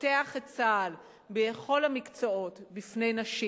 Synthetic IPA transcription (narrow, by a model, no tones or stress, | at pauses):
teaχet͡saːl | beχo̞lhamikt͡soo̞tbifne̞jnaʃi